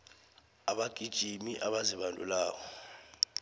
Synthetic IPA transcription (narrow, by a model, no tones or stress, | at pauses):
aɓaɡ̥ʱid̥ʒ̥ʱimiʔaɓaziɓandʱʼulaːk̬ɔ